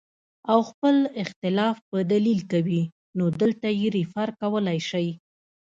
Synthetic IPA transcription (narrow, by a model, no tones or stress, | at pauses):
awxpəlɪxt̪ɪlɑfpəd̪alilkawi | nod̪əlt̪ajeɾifaɾkawəlajʃaj